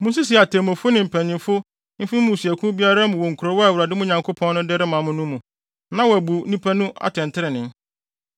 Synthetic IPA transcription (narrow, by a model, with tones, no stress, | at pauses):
mʊ̃˦s̬i˦s̬i˨a˨tʰɛ˨mʊ̃˨fʊ˦nɪ̃˨m̩˨pʰæ̃˨nɪ̃˨mfʊ˦ | m̩˦fĩ˦mũ˦˨si˨æ˨kʰũ˦bi˦a˦ɾa˦mʊ̃˨wɔ˨ŋ̩˨kʰu˨ɾo˦wɔ˦a˨wʊ˨ɾa˨dɪ˦mʊ̃˦ɲã˨ŋkʰo˦pʰɔ̃˦nː˦ʊ̃˦dɛ˦ɾɪ˦mã˨mʊ̃˦nʊ̃˦mːũ˨ | nã˦wɔ˨æ˨bu˨˦nĩ˦pʰæ˦nũ˦ʔa̰˦˨tʰɛ̃˨ntʰɪ˦ɾɪ˨nɪ̃˦n